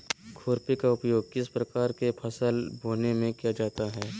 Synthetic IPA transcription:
kʰoːɾpikaʊpjoːɡ̚kɪspɾɐkaːɾkepʰɐsəlbʱoːnemẽkijad͡ʒaːt̪aɦɛː

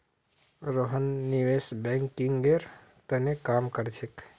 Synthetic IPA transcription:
ɾoɦənːiʋesbɛ̃ŋkːiŋɡeɾ | t̪ənekamkəɾt͡ʃʰek

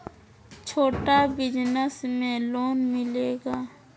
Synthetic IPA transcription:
t͡ʃʰoːʈabɪd͡ʒnəsmẽloːnmɪleːɡaː

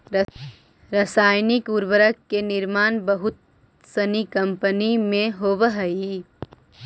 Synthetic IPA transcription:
ɾɐsaːjnɪkuɾbəɾəkːenɪɾmaːnbəɦʊt̪̚ | sɐnikɐ̃mpənimẽɦoːʋəɦəi

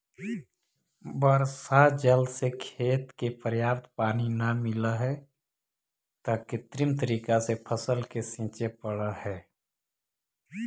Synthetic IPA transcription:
bəɾsad͡ʒəlsekʰeːt̪kepɾəjaːpt̪paːninəmɪləɦɛ | t̪əket̪ɾɪmt̪əɾiːkasepʰəsəlkesĩːt͡ʃepəɽəhɛː

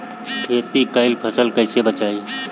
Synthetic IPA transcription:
kʰeːt̪iːkəɪlpʰəsəlkəɪsebət͡ʃaːiː

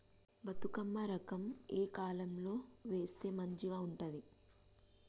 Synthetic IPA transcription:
bɐt̪ukɐmːɐɾɐkɐmeːkaːlɐmlo̞ːʋe̞ːst̪e̞ːmɐɲt͡ʃiɡaːuɳʈɐd̪i

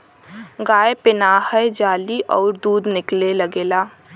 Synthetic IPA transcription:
ɡaːepɪnaːhəed͡ʒaːliʔɔːɾd̪uːd̪nɪklelɐɡeːlaː

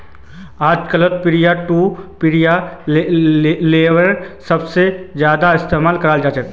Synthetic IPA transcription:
aːd͡ʒkələt̪̚pɪɾijaʈupɪɾija | leːwəɾsəbsed͡ʒjaːd̪aɪst̪eːmaːlkəɾaːld͡ʒaːt͡ʃək̪

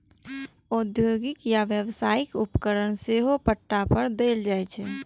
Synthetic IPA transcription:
od̪joːɡɪkjaʋjeʋsaːɪkʊpkəɾənseɦopəʈːapəɾd̪eːld͡ʒaːɛt͡ʃʰɛː

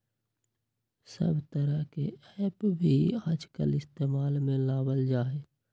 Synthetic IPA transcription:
sə̰bʱt̪əɾəɦkeɛːpbʱiaːd͡ʒkə̰lɪst̪eːmaːlmẽlaːbəld͡ʒaːeː

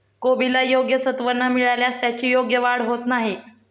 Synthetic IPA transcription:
kobilajoɡjəsət̪ʋənːamiɭaljast̪jat͡ɕiːjoɡjəʋaɽɦot̪naɦi

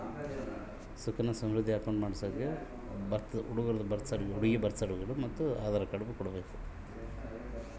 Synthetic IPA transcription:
sukɐnɐsɐ̃mɾud̪ʱːiɐkɐwɳɖmaːɽisɐːɡe | bɐɾt̪uɽuɡɐɾɐd̪ubɐɾt̪sɐɽɡeuɽuɡibɐɾt̪sɐɽuɡɐɽumɐt̪ːuaːd̪aːɾɐkɐɽɐbukɔɽɐbeːku̥

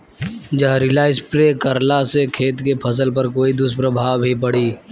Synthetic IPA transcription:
d͡ʒəɦɾɪlaːɪspɾeːkəɾlasekʰeːt̪kepʰɐs̬əlpɐɾkoːid̪ʊspɾəbʱaːwbʱipəɽ̤iː

